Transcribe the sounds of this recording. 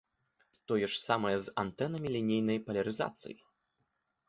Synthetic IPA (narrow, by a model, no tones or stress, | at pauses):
t̪ɔjɛʂsamɐjɛzant̪ɛnɐmʲilʲinʲejnɐjpɐlʲɐɾɨza̰t̪sɨ̰jḭ